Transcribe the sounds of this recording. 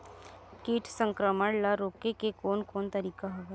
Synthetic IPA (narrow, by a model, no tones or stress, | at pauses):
kiːʈʰsə̃ŋkɾəməɽlaɾoːkekekoːnkoːnt̪əɾiːkaɦoɡ